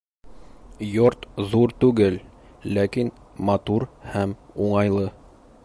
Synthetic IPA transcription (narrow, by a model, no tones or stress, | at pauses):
joɾt̪ðuɾt̪ʉɡɘlː | ækin | mɐt̪uɾhæmuɴɑjlˠɤ